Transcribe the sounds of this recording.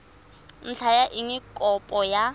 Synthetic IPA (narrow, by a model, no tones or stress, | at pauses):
n̩ɬʰajaʔiŋɪkʼɔpʼɔja